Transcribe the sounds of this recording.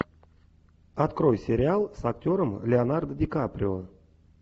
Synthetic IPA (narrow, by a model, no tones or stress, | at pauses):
at̪krojsʲeɾʲɪalˠsaktʲo̞ɾəmlʲɪanard̪dʲɪkaprʲɪo